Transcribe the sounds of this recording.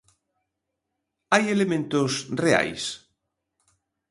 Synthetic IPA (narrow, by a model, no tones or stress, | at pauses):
ajelemẽnt̪ʊsrea̰js